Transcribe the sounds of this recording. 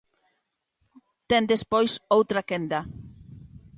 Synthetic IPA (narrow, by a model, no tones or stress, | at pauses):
t̪ɛnd̪espojsowt̪ɾakɛnd̪ɐ